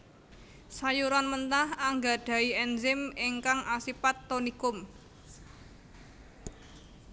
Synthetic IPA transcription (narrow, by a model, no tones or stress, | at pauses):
sajuɾanmənt̪ahaŋɡa̤ɖ̪̥a̤iɛnzɪmɪŋkaŋʔasipat̪ːonikʊm